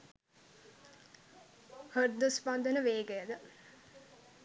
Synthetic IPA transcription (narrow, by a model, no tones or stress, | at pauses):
hərd̪uspand̪ənəʋeːɡəjəd̪ə